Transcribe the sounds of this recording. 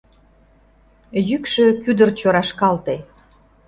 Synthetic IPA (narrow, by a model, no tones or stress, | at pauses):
jykʃøkyd̪ərt͡ɕoɾɑʃkɑlt̪e